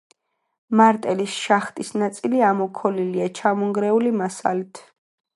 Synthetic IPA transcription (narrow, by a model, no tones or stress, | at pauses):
maɾt̪ʼɛlisʃaχt̪ʼisnat̪sʼiliamɔkʰɔliliat͡ʃʰamɔŋɡɾɛulimasa̰lit̪ʰ